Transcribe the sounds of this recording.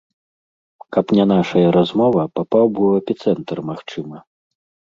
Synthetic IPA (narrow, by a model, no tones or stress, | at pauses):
kɐpnʲan̪aʂɐjɐɾazmɔvɐpapawbɨwɐpʲit̪sɛnt̪rmaxt͡ʂɨmɐ